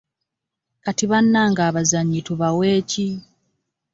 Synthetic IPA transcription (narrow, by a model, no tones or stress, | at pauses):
katiβanːaːŋɡaːβazaɲːituβaweːci